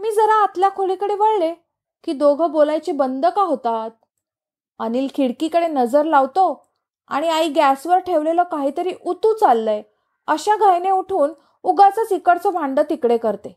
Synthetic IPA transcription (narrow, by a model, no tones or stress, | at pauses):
miːd͡zəɾaːt̪ljakʰolikəɽeʋəɭle | kiːd̪oɡʱəbolajt͡ɕibənd̪əkaɦot̪at̪̚ | aniːlkʰiɽkiːkəɽenəd͡zəɾlaʋt̪o | a̰ɽ̃iaiɡæsʋəɾʈʰeʋleləkaɦiːt̪əɾiːʔut̪uːt͡salːəj | əɕaɡʱajneuʈʰuːn | uɡat͡sət͡sikəɽt͡sɔbʱãɳɖət̪ikɽekəɾt̪e